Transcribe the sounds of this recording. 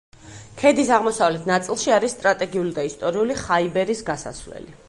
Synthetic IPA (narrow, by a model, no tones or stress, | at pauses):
kʰɛd̪isaʁmɔsavlɛt̪ʰnat̪sʼilˠʃiaɾisːt̪ʼɾat̪ʼɛɡiulid̪aist̪ʼɔɾiuliχaibɛɾisɡasa̰svlɛ̰li